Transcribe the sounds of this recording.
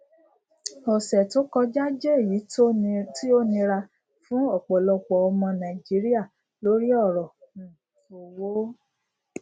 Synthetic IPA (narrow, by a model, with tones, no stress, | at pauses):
ɔ˨sɛ˨to˦kɔ˧d͡ʒa˦d͡ʒɛ˦e˦˨ji˨˦ti˦o˦nĩ˧ɾa˧ | fũ˦ɔ˦˨k͡pɔ˨lɔ˧k͡pɔ˨ɔ˧mɔ̃˧nã˨i˨d͡ʒi˨˦ɾi˦a˦˨ | lo˨˦ɾi˦ɔ˦˨ɾɔ̃˨ | fo˨wo˨˦